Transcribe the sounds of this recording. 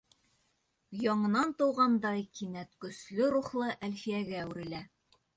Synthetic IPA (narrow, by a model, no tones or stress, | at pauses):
jɒɴɤ̆nɑnt̪ŏwʁɑnd̪ɑjkinæt̪kɵ̆slɵɾuχlˠɤʔælfijæɡæwɾɘ̆læ